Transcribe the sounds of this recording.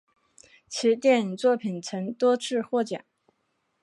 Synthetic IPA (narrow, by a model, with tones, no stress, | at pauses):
t͡ɕʰi˧˥t̪jɛ˥˩˧n˨t͡swɔ˥˩pʰi˨˩nt͡sʰə˧˥ŋt̪wɔ˥ʈ͡ʂʰɻ̩˥˧xwɔ˥˩t͡ɕja̰˨˩˦n